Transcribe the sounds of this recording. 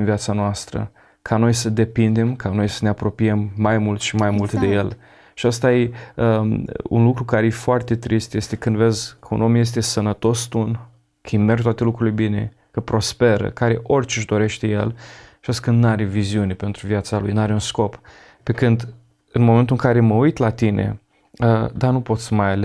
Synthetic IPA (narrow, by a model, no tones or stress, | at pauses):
nvijat̪sanoast̪ɾə̰ | kʰano̞jsəd̪e̞pind̪e̞mkʰano̞jsəneapɾo̞piemːajmult̪ʃimajmult̪d̪e̞je̞l | ʃiəst̪ajeəṵnlukɾukaɾejefoart̪e̞t̪ɾist̪je̞st̪e̞kɨnd̪ve̞zkʰəṵno̞mje̞s̬t̪e̞sənət̪o̞st̪un | kʰimerɡt̪wat̪elukɾulilebine̞̰ | kəpɾo̞spe̞ɾə̰kaɾe̞ʔo̞rʲt͡ʃeʒd̪o̞ɾe̞ʃt̪e̞jḛlʃast̪kɨnd̪nuaɾeviziunepe̞nt̪ɾuviat̪salujnuaɾeunsko̞p | pekɨnd̪ | ɨnmo̞ment̪ulɨŋkaɾe̞məujt̪lat̪inḛ | əd̪anupo̞t̪smajale